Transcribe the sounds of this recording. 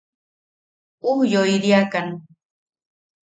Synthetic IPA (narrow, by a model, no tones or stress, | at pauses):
ʊhjojɾiakaŋ